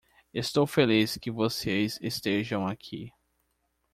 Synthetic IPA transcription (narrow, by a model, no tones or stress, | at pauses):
est̪owfeliskɪvosezest̪eʒɐ̃w̃akʰi